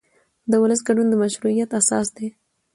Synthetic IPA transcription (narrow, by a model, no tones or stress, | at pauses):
d̪əwʊləs̬ɡaɖund̪əmaʃɾuijat̪asɑ̰s̬d̪e